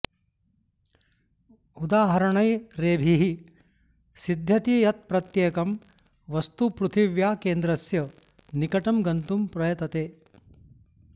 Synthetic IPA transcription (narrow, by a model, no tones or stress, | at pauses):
ud̪aːɦɐɾɐɳɐjɾeːbʱiɦi | sid̪ʱjɐt̪ijɐt̪̚pɾɐt̪jeːkɐm | ʋɐst̪upɾut̪ʰiʋjaːkeːnd̪ɾɐsjɐ | nikɐʈɐmɡɐnt̪umpɾɐjɐt̪ɐt̪eː